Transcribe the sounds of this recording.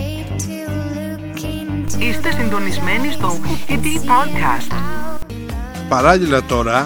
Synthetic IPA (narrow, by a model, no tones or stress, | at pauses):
ist̪e̞sind̪o̞nizme̞nist̪o̞ifit̪ipod̪kʰɐ̰st̪ | pɐɾɐʎilɐt̪o̞ɾɐ